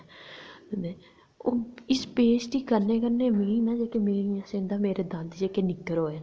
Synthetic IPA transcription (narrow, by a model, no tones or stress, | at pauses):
d̪eː | oːɪspeːsʈiːkəɾneːkəɾneːmĩːnãːd͡ʒeːkemeːɾiãsẽːnd̪ãːmeːɾeːd̪ə̃nd̪d͡ʒeːkeːnɪkːəɾɦoːeː